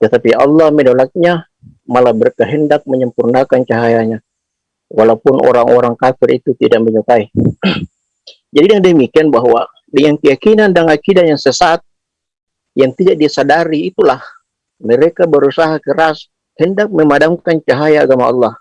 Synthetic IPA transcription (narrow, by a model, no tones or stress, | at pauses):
t̪ət̪apiʔɑ̰lːɑhmənolak̚ɲa | malabərkəɦəndak̚məɲəmpurnakant͡ʃaɦajaɲa | walapʊnʔo̰ɾaŋoɾaŋkafɪrit̪ut̪idak̚məɲət̪ai | d͡ʒadidaŋdəmikianbaɦwa | dəŋankəjakinandaŋakidajaŋsəsat̪̚ | jaŋt̪idak̚diasadaɾiːt̪ulah | məɾekabəɾusaɦakəɾas | həndak̚məmadamkant͡ʃaɦajaːɡamaɑ̰lːɑh